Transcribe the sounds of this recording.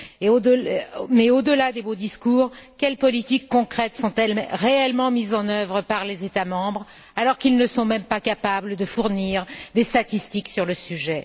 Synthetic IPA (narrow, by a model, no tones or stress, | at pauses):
eod̪mɛod̪əlad̪ebod̪iskuːʁkʲɛlpɔlit̪ikːɔ̃kχɛt̪sɔ̃t̪ɛlʁeɛlmɑ̃mizɑ̃nœvʁəpaʁlezet̪amɑ̃bʁ | alɔʁkilnəsɔ̃mɛmpakapabləd̪əfuʁniʁd̪est̪at̪ist̪iksyʁləsyʒɛ